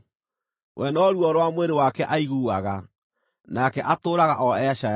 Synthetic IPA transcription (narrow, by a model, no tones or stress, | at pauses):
wʔɛnɔɾuɔɾwamweɾewakɛʔaiɣuːaɣa | nakɛʔatoːɾaɣaʔɔɛʃa